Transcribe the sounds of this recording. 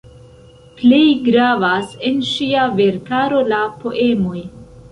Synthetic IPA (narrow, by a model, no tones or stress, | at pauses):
plejɡɾavase̞nʃiave̞ɾkaɾo̞lapo̞ʔe̞mo̞j